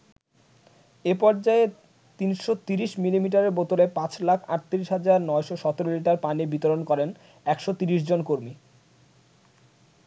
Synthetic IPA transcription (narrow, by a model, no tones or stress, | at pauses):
epɔɾd͡ʑae | t̪inʃot̪iɾiʃmilimiʈ̬aɾeɾbot̪olepãt͡ɕlakʰa̰ʈ̚t̪iɾiʃɦad͡ʑaɾnɔeʃoʃɔt̪oɾoliʈaɾpanibit̪oɾonkɔɾen | ɛkʃot̪iɾiʃd͡ʑonkoɾmi